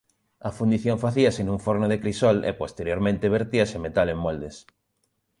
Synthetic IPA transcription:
ɐfund̪iθjõɱfaθiɐsenũŋfoɾnoðekɾisɔlḛpost̪eɾjoɾmẽnt̪eβ̞eɾt̪iɐsemet̪alemmɔld̪es

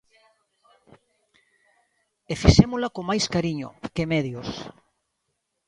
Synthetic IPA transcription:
efiʃemolakomajskaɾiɲo̰kemeðjos

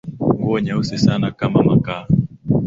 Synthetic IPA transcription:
ŋɡuɔɲausɛsanakamamakaː

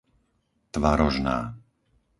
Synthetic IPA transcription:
t̪ʋaɾɔʒna̰ː

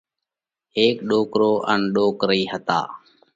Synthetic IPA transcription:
ɦeːkɗoːkɾoːʔənɗoːkɾəiːɦət̪a̰ː

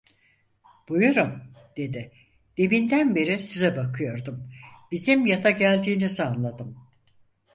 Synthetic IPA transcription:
b̥ujuɾumd̪̥e̞d̪ɪ | d̪̥e̞bind̪ænbiɾisizɛbakʰɯjo̞ɾd̪umb̥izimjat̪ʰaɟælʲd̪iːnizaːnlˠad̪ɯm

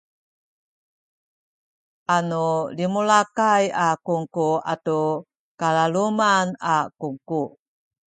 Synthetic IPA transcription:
ʔanulimulakajakuŋkua̰tu | kalalumanakuŋku

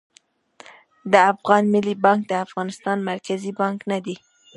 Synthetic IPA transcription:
d̪əafɣɑnmɪlibɑŋk̚d̪əafɣɑnɪst̪ɑnmaɾkazibɑŋknad̪i

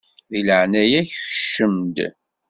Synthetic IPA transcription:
ðiləʕnæjæçʃːəmd̪

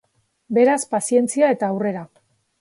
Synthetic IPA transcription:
be̞ɾaspasie̞nt͡siae̞t̪aːwre̞ɾa

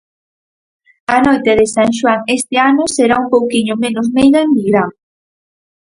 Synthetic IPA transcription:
ɐnojt̪eðesaŋʃ̬waŋest̪eanoseɾaumpowkiɲomenozmejðɐemiɣɾa

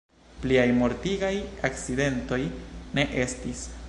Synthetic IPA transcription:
pliajmo̞ɾtiɡajakt͡side̞nto̞jne̞ʔe̞stis

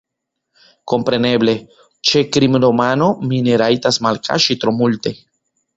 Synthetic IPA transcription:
kompɾe̞neble̞ | t͡ʃekɾimɾomanomineɾait̪asmalkʰa̰ʃit̪ɾomult̪e̞

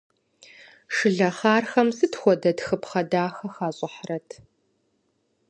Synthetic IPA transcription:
ʂɨɮɐχaːrxɐmsɨtxʷɔdɐtxɨpχɐdaːxɐxaːɕʼɪħrɐtʰ

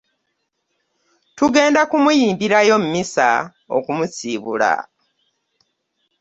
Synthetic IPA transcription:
tuɡe̞ːndakumujiːmbiɾajo̞m̩misa̰ | o̰kumusiːβṵla̰

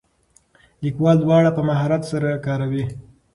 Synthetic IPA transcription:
likwɑld̪wɑɽapəmaɦɑɾat̪saɾakɑɾawi

